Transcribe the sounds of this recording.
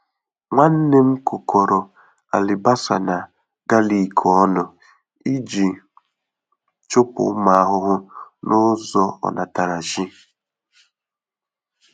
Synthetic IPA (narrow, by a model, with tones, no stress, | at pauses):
ŋʷa˦n̩˦ne˦m̩˦kʊ˨kʰɔ˨ɾɔ˨ | a̰˨lɪ˨ba˦sa̰˨na˨ | ɡa˦li˨kʰɔ˨ɔ˦nʊ˨ | i˦d͡ʒi˨ | t͡ʃʊ˦pʊ̰˨˦ma˨a˦ɦʊ˦ɦʊ˦nʊ˦zɔ˦ɔ̰˨na˨ta˨ɾa˨ʒi˦